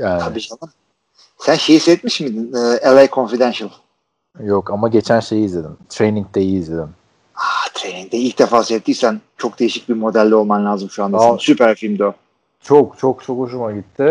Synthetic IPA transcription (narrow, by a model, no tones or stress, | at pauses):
jaːnʰabiʃanan | sænʃe̞jiːsɛt̪miʃmid̪inɛːelˠajkʰo̞nfid̪ɛnʃalˠ | jokamaɟe̞t͡ʃʰænʃe̞jizlʲe̞d̪imt̪ʰɾeniŋd̪ejiːzlʲed̪im | aːt̪ʰɾeniŋ̚t̪ɛilʲc̚d̪efaːsɛt̪ʰːisænt͡ʃʰo̞k̚d̪e̞jiʃic̚bimo̞d̪ælʲːɛo̞lˠmanlʲaːzɯmʃuand̪sypæɾfilʲmd̪o | t͡ʃʰokt͡ʃʰok̚t͡ʃʰokuʃ̬umaɟit̪ʰːɪ